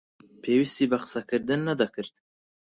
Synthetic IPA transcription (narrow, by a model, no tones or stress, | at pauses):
pʰeːwist̪iːbaqɨ̥sakɨɾd̪ɨnːad̪ɑkʰɨɾd̪